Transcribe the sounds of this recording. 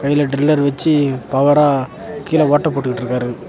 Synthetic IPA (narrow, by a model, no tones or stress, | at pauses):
kɐjɪlɐɖɾɪlːɐɾʋɐt͡ʃːipɐʋɐɾaː | kiːlɐʋoːʈːɐpːoːʈːɯkːɪʈːɪɾɯkːaːɾɯ